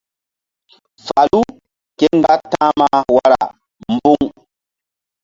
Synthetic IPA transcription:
fa˨lu˦ | ke˦ŋ˦ɡa˦tːã˦ma˦wa˦ɾa̰˨ | mbu˦ŋ

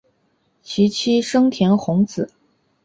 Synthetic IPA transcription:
t͡ɕʰi˧˥t͡ɕʰi˥ʂɤ˥ŋt̪ʰjɛ˧˥nxʊ˧˥ŋt͡sɹ̩˨˩˦

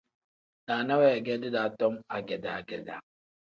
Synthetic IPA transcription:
na˨na˦wɛ˦˨ɡɛ˦di˦da˨tɔ˦ma˨ɡɛ˨da̰˨ɡɛ˦da̰˨

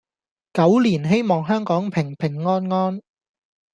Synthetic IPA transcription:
kɐ˨˥wliː˨˩nɦe˥jmɔː˨ŋɦœː˥ŋkɔː˨˥ŋpʰɪ˨˩ŋpʰɪ˨˩ŋːɔː˥nŋɔː˥n

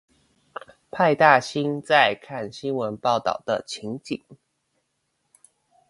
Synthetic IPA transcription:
pʰa˥˧ɪt̪a˥˩ɕi˥nt͡sa˥˧ɪkʰa˥˩nɕi˥nwə˧˦˥npɑ˥˩ʊt̪ɑ̰˥˩ʊd̪ə˦t͡ɕʰi˧˥ŋt͡ɕi˨˩˦ŋ

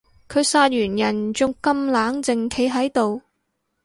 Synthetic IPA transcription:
kʰɵ˨˧ɥsaː˧t̚jyː˨˩njɐ˨˩nt͡ʃʊ˧ŋkɐ˥mlaː˨˥ŋt͡sɪ˨ŋkʰe˨˧jɦɐ˨˥jt̪o˨w

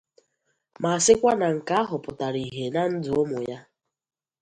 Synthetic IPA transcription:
ma˨a˨sɪ˦kʷa˦na˨ŋ̩˨ka˦a˦ɦʊ˨pʊ˨ta˨ɾi˨ɦe˨na˦n̩˦dʊ˨o˦mʊ˨ja˦

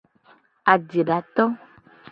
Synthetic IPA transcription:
a˨d͡ʒe˨ɖa˨t̪ɔ˦

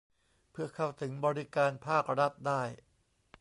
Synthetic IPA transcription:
pʰɯ˥˩ɐkʰa˥˩wt̪ʰɯ˩˦ŋbɔː˧ɾi˦˥kaː˧npʰaː˥˩k̚ɾa˦˥t̪̚daː˥˩j

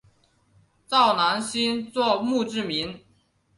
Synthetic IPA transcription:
t͡sɑ˥˩ʊna˧˥nɕi˥nt͡swɔ˥˧mu˥˧ʈ͡ʂɻ̩˥˩mi˧˥n

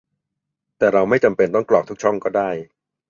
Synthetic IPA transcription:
t̪ɛː˨˩ɾa˧wma˥˩jt͡ɕa˧mpe˧nt̪ɔ˥˩ŋklɔː˨˩k̪̚ʰu˦˥t͡ɕʰɔ˥˩ŋkɔː˥˩daː˥˩j

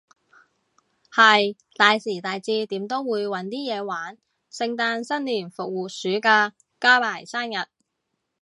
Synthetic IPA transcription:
hɐ˨j | t̪aː˨jsiː˨˩t̪aː˨jt͡siː˧t̪iː˨˥mt̪o˥wwuː˨˧jwɐ˨˥nt̪iː˥jɛː˨˧waː˨˥n | sɪ˧ŋt̪aː˧nsɐ˥nliː˨˩nfʊ˨k̚wuː˨t̚syː˨˥kaː˧ | kaː˥paː˨˩jsaː˥njɐ˨t̚

